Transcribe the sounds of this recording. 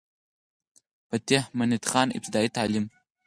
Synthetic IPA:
pat̪emɐnit̪χɑːnḭp̚t̪ʰid̪aːit̪ʰaːlim

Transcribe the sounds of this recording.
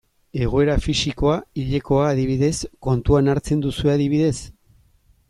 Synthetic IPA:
e̞ɣ̞o̞e̞ɾafisiko̞aiʎe̞ko̞aːðiβiðe̞sko̞nt̪uanaɾt͡se̞nd̪usue̞aðiβ̞iðe̞s

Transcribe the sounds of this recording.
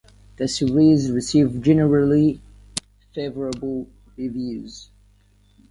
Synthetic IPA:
ðɨsɨɹizɹɨsivd͡ʒɛnəɹəli | feɪvəɹəbəl̩ˠ | ɹivjʉz̥

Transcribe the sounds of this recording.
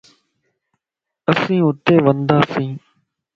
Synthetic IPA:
əsĩːʊt̪eːʋənd̪aːsĩː

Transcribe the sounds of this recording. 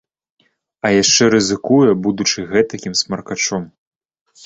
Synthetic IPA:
ɐjaʂt͡ʂɛɾɨzɨkujɛbud̪ut͡ʂɨɣɛt̪ɐkʲimsmɐrkat͡ʂɔm

